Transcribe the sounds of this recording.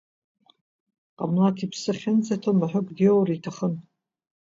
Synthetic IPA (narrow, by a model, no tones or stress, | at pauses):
qʼamlatʰipʰsɨχʲɪnt͡satʰomaħʷʊkʼdeowraitʰaχən